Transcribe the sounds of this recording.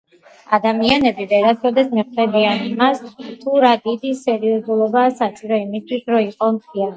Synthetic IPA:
ad̪amianɛbivɛɾat̪ʰɾɔd̪ɛsmɛχvɛbianimast̪ʰuɾad̪id̪isɛɾiɔzulˠɔbaːsasʼiɾɔimist̪ʰwisɾɔiqʼɔmt̪ʰia

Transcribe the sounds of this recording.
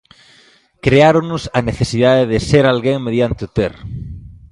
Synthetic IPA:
kɾeaɾʊnʊsɐneθesiðaðɪðɪseɾalɣeŋmeðjant̪ɪʊt̪er

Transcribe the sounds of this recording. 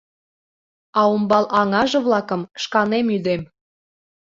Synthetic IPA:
ɑumbɑlʔɑŋɑʒɤ̆βlˠɑkɤ̆mʃkɑnemyd̪em

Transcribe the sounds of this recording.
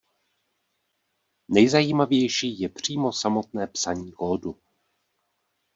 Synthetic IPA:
nɛjzajiːmavjɛjʃiːjɛpr̝̥iːmo̞samo̞t̪̚nɛːpsaɲiːkoːdu

